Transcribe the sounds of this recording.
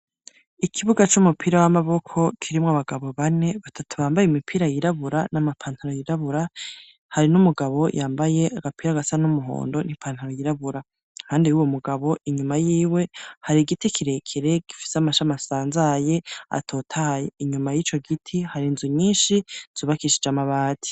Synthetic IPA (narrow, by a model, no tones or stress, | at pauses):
ikʰiβuɡat͡ʃumupʰiɾawamaβo̞kʰo̞kʰiɾimŋaβaɡaβo̞βane̞βatʰatʰuβaːmbajemipʰiːɾajiɾaβuɾanamapʰaːntaɾojiɾaβuɾa | haɾinumuɡaβo̞jʔaːmbaje̞ʔaɡapiːɾaɡasanumuɦo̰ːndo̞nipʰaːn̥haɾojiɾaβuɾa | haːndiwuːwo̞muɡaβo̞iɲumajiːwe̞haɾiɡitikʰiɾe̞kʰe̞ɾe̞ɡ̥ifi̥seamaʃamasaːnzaje̞a̰tʰo̞ːtʰaajeiɲumajiːt͡ʃo̞ɡitʰihaɾinzuɲiːnʃiz̥uːβakiʃid͡ʒamaβaːtʰi̥